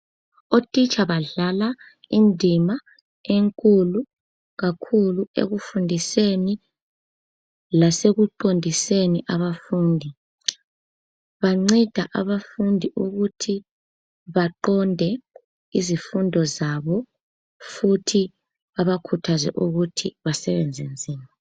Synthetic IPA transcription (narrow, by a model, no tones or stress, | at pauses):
otʼit͡ʃʼaβaɮala | indʱima | eŋkʼulu | ɣakʰuluḛɣufundʱiseni | laseɣuǃondʱiseniʔaβafuːndʱi | βaŋ͡ǀid̥ʱaʔaβafundʱiʔuɣutʰi | βaǃɔndʱɛ | izifundʱɔzaβɔ | futʰi | aβakʰutʰazɛ̰ʔuɣutʰiβasɛβɛnd͡zʱend͡zʱiːma